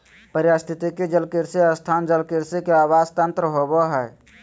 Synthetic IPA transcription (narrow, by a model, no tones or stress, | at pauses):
pəɾjast̪ʰit̪ikid͡ʒəlkiɾsiəst̪ʰaːnd͡ʒəlkɪɾsikeaːwaːst̪ə̃nt̪ɾəɦoboɦɛj